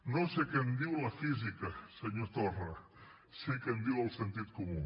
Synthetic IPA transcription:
nosekend̪iwlafizikaseɲot̪ora | sekend̪iwalsent̪it̪komu

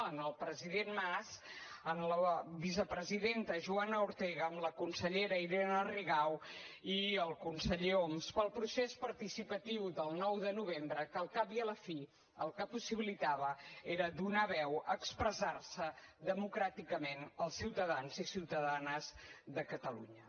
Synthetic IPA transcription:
ənəlˠpɾəziðenmaz | ənləβizəpɾəziðent̪əʒuanəuɾt̪ɛɣəːmləkunsəʎeɾəiɾɛnəriɣawiəlˠkunsəʎeomspəlˠpɾusespəɾt̪isipət̪iwðəlˠnɔwðənuβ̞embɾəkəlˠkapiələfi | əlˠkəpusiβilit̪aβəeɾəd̪unaβɛwəkspɾəzarsəðəmukɾat̪ikəmenəlˠsːiwt̪əðanzisiwt̪əðanəzðəkət̪əlṵɲə

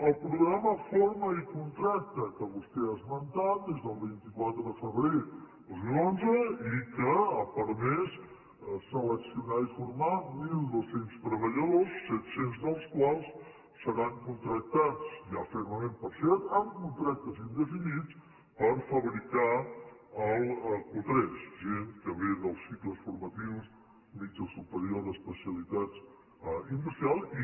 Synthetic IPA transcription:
əlˠpɾuɣɾaməfoɾməikunt̪ɾak̚t̪əkəβust̪eazmənt̪at̪̚d̪ezðəlˠβint̪ikwat̪ɾəðəfəβɾed̪ozmilonzəikəpəɾmes | sələksiunaifuɾmamilˠd̪osenst̪ɾəβəʎəðosːɛt̪senzðəlˠskwalˠs | səɾaŋkunt̪ɾək̚t̪at͡sjəfɛɾməmẽmpəɾsɛɾt̪əmkunt̪ɾak̚t̪əzind̪əfinit͡s | pəɾfəβɾika | əlˠkut̪ɾɛsʒenkəβend̪əlˠsːikləsfuɾmət̪iws | mit͡ʃəlˠsupəɾioðəspəsiəlit̪ad͡z | inb̪əɾsalˠi

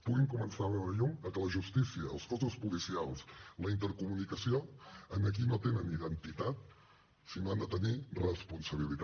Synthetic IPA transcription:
puɣiŋkumənsaβɛwɾəʎuŋəkələʒust̪isiə̰ːlˠskɔsuspulisialˠsləint̪̬əɾkumunikəsioənək̬inot̪enəniðənt̪it̪at̪̚ | sinoand̪ət̪ənirəspunsəβ̞ilit̪

